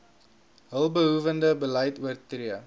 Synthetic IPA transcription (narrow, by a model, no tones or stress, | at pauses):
ɦəlˠbəɦuvəndəbələjtuərtriə